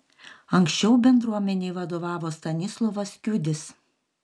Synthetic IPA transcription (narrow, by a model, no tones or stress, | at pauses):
ɐŋksʲt͡ʃʲɛʊbʲɛnd̪ɾuɔmʲɛnʲeːʋɐd̪oːʋɑːʋoːst̪ɐnʲɪslˠɔʋɐsʲkʲʊd̪ʲɪs